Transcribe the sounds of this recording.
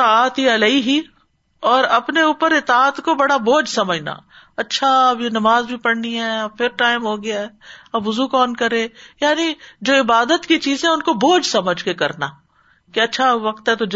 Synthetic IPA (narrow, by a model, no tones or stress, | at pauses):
ɪt̪aːt̪ɦiɐlɐiɦi | ɔːɾɐpneuːpəɾɪt̪aːt̪kobɐɽaboːd͡ʒsɐməd͡ʒna̰ː | ɐtːʃʰaɐbnɐmaːzbʱipɐɽniɦɛːpʰɪɾʈaːɪmɦoːɡɪjaɦɛːɐbʋʊzukɔːnkɐɾẽːjaːnid͡ʒoːɪbaːd̪ət̪kit͡ʃiːzɛ̃ʊnkoboːd͡ʒsɐməd͡ʒʱkekɐɾnaː | keɐtːʃʰaʋɐkt̪ɦɛt̪od͡ʒ